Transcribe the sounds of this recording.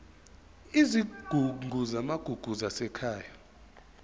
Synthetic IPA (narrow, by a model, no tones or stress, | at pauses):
iziɡ̥ʱuuzamaɡ̥ʱuɡ̥ʱuzasɛkʰaːja